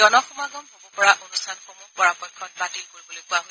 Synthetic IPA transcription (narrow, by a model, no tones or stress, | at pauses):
ɔnɔxɔmaɡɔmxɔbupɔɹaʔonusʰanxomupɔɹapɔjkʰːɔt̚patilkoɹibɔlojkuaɦo